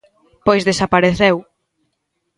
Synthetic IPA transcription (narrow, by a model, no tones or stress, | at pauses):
pojszðesapaɾeθɛw